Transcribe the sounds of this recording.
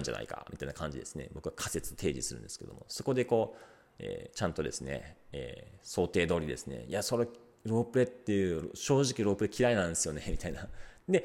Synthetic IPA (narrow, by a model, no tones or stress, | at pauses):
ãɲd͡ʑa̰na̰ḭka̰mʲit̪ainakʰãɲ̟d͡ʑid̪e̞sɨne̞̰bo̞kɯ̟βakʰase̞t͡sɨ̥t̪t̪ʰe̞ːʑisɨɾɯ̟̃nd̪eɨ̥ke̞d̪o̰mo̞̰so̞kod̪e̞ko̞ː | ḛːt͡ɕãnt̪od̪e̞sɨne̞̰ḛːso̞ːt̪e̞ːd̪o̞ːɾʲid̪e̞sɨne̞̰ijaso̞ɾe | ɾo̞ːpɯ̟ɾet̪ːe̞jɯ̟ɾɕo̞ːʑikʲiɾo̞ːpɯɾe̞kʲiɾainãnd̪esɨjo̞ne̞mʲit̪ainad̪e̞